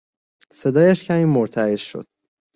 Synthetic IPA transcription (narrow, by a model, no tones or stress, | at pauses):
se̞d̪ɒːjæʃcʰæmiːmoɾt̪ʰæeʃʃo̰d̪̥̚